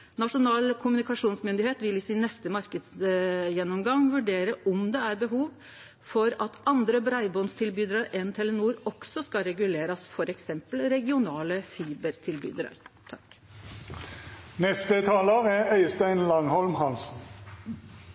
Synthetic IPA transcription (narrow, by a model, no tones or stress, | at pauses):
nɑʂʊnɑːlkʰʊmʉnɪkɑʂuːnsmʏnd̪ɪheːt̪ʋɪlɪsɪnːɛst̪əmɑɾkəd̪sjɛnːɔmɡɑŋʋʉɖeːɾəʔɔmd̪ɛæɾbəɦuːʋ | fɔɾɑt̪ɑnd̪ɾəbɾɑɪbɔnst̪ʰɪlbyːd̪ɾəɾʔɛnt̪ʰɛlənuːɾɔksɔskɑɾɛɡʉleːɾɑsfɔɾɛksɛmpəlɾɛɡɪʊnɑːləfiːbəɾt̪ʰɪlby̰ːd̪ɾɑ̰ɾt̪ʰɑk | nɛst̪ət̪ʰɑːləʁæœʏst̪æɪnlɑŋhɔlmhɑlsn̩